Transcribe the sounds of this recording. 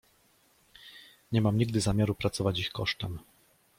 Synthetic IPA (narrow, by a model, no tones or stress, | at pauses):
ɲɛmamɲiɡd̪ɘzamʲjaɾupɾat̪sɔvat͡ɕixkɔʂt̪ɛm